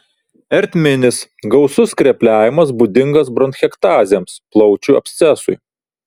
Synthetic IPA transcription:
ɛɾʲt̪ʲmʲɪnʲɪsɡɒʊsʊskɾʲɛpʲlʲæːʋʲɪmɐsbud̪ʲɪŋɡɐsbɾɔnxʲɛkt̪ɑːzʲɛmsplˠɒʊt͡ʃʲuɐ̰pʲsʲt̪sʲɛsʊɪ

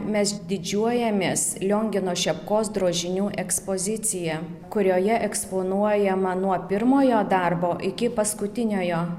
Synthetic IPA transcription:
mʲɛsd̪ʲɪd͡ʒʲuɔjɛmʲeːslʲoːŋʲɡʲɪnoːʃʲɛpkoːsd̪ɾoːʒʲɪnʲuːʔɛkspoːzʲɪt̪sʲɪjɛ | kʊɾʲoːjɛʔɛksponuɔjɛmɐnuɔpʲɪɾmoːjoːd̪ɐɾboːʔɪkʲɪpɐskʊt̪ʲɪnʲoːjoː

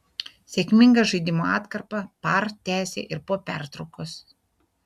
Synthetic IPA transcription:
sʲɛːkʲmʲɪŋɡɐʒɐɪd̪ʲɪmoːɑːt̪kɐɾpɐpɑɾt̪ʲæːsʲḛːʔɪɾpoɔpʲæˑɾt̪ɾɐʊkos

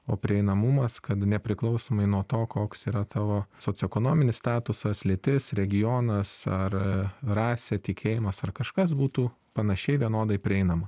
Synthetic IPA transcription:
oːpʲɾʲɪɛɪnɐmʊmɐskɐt̪nʲɛpʲɾʲɪklˠɐʊsoːmɐɪnuɔt̪oːkoːksiːɾɐt̪ɑːʋoːsoːt͡s̪ʲɪɛkoːnoːmʲɪnʲɪsst̪ɑːt̪ʊsɐslʲɪt̪ʲɪsɾʲɛɡʲɪjoːnɐsɐrrɑːsʲɛt̪ʲɪkʲʰeːjɪmɐsɐrkɐʃkɐs̬buːt̪uː | pɐnɐʃʲɛɪʋʲiɛnoːd̪ɐɪpʲɾʲɪɛɪnɐmɐ

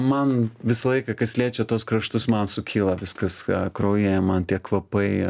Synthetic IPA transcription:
mɐnʋʲɪsɐlˠɐɪkɐkɐslʲeːt͡ʃʲɛt̪uɔskɾɐʃt̪ʊsmɐnsʊkʲʰiːlˠɐʋʲɪskɐskɾoːjemɐnt̪ʲiɛkʋɐpɐɪ

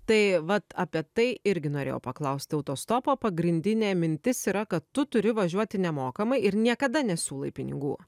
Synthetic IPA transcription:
t̪ɐɪʋɐt̪ɐpʲiɛt̪ɐɪɪɾʲɡʲɪnoːɾʲḛjo̰ːpɐklˠɐʊsʲt̪ʲɪɐʊt̪oːst̪oːpoːpɐɡɾʲɪnʲd̪ʲɪnʲeːmʲɪnʲt̪ʲɪsiːɾɐkɐt̪t̪ʊt̪ʊɾʲɪʋɐʒʲuɔt̪ʲɪnʲɛmoːkɐmɐɪɪɾnʲiɛkɐd̪ɐnʲɛsʲuːlˠɐɪpʲɪnʲɪ̰ɡṵː

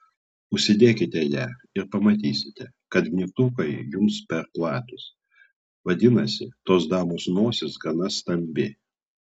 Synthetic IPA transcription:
ʊʃʲsʲɪd̪ʲeːkʲɪt̪ʲɛjæɪɾpɐmɐt̪ʲiːsʲɪt̪ʲɛ | kɐt̪ʲnʲɪt̪ukɐɪjʊmspʲɛɾplˠɑːt̪ʊs | ʋɐd̪ʲɪnɐsʲɪt̪oːsd̪ɑːmoːsnoːsʲɪsɡɐnɐst̪ɐmʲbʲe

